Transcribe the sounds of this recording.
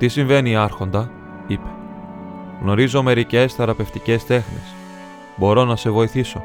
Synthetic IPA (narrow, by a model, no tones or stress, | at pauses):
t̪isiɱve̞niɐɾxo̞nd̪ɐ | ipe̞̥ | ɣno̞ɾizo̞me̞ɾice̞sθeɾɐpe̞ft̪ice̞st̪e̞xne̞̰s | bo̞ɾo̞nɐse̞vo̞iθiso̞